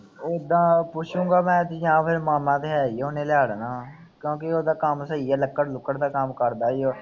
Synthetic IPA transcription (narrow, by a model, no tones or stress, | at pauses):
oːd̪ãːpʊt͡ʃʰũːŋɡaːmɛ̃ːt̪jãːpʰɪɾmaːmãːt̪eɦɛːioːnẽːlaːɽnaː | kjõːkeoːd̪aːkəmsəiːɛːləkːəɾlʊkːəɽd̪aːkamkəɾd̪aːioː